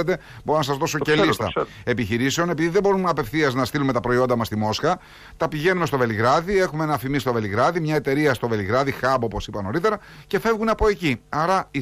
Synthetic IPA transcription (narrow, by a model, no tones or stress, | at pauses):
et̪e̞ | bo̞ɾonɐsɐzðo̞socelist̪ɐ̰ | e̞piçiɾiseo̞ne̞piðiðebo̞ɾunɐpe̞fθiɐznɐst̪ilume̞t̪ɐpɾo̞io̞nd̪ɐmɐst̪imo̞sxɐ | t̪ɐpiʝe̞numest̪ove̞liɣɾɐðie̞xumeenɐfimist̪o̞ve̞liɣɾɐðimɲɐet̪e̞ɾiɐst̪o̞ve̞liɣɾɐðixɐbo̞po̞sipɐno̞ɾit̪e̞ɾɐ | ce̞fe̞vɣunɐpo̞e̞ciɐɾɐi